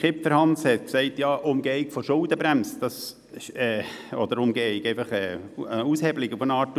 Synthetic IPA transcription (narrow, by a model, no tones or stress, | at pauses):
χɪpfəɾhɑnshɛt̪ksɛɪtjɑːʔʊmɡɛɪkfoʃʊldəbɾæmsd̥ɑs | ʃɛː | ɔd̥̪əɾʊmɡɛɪɡɛɪfɑχɛː | əushɛblɪkufənɑːtː